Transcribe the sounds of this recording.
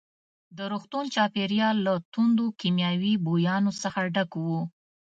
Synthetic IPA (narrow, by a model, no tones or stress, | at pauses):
d̪əɾoxt̪unt͡ʃɑpeɾjɑlːat̪und̪okimjɑwibojɑnosəxaɖakwu